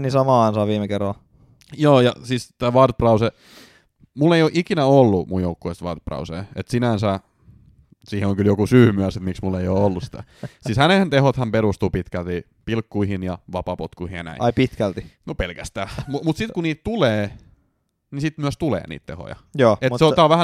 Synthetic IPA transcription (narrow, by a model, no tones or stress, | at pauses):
nisɑmɑːɑnsɑːʋiːmekerːɑl | joːjɑ̰sist̪æːʋɑrt̪̚prɑuse | mulːejoʔikinæolːumujjoukːueˑst̪ʋɑrt̪̚prɑ̰usḛːet̪sinænsæ | siːheoŋkyljokusyːmyæset̪miksmulːeioːolːusi̥t̪æsiːshænent̪ehot̪hɑmpeɾust̪uːpit̪kælt̪i | pilkːuihinjɑʋɑpɑpot̪kuihinjɑnæ̰ḭɑipit̪kælt̪inopelkæst̪æːmumut̪sit̪kuniːt̪t̪uleː | nisit̪myæst̪ulḛːnḭːt̪t̪ḛho̰jɑ̰joːetseoɑʋæhæ